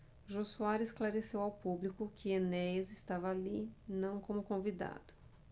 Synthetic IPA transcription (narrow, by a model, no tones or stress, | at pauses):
ʒosuaɾesklaɾesewawpublikʊkɪenɛzɪst̪avɐalinɐ̃w̃kõmʊkõvid̪a̰d̪̥ʊ̥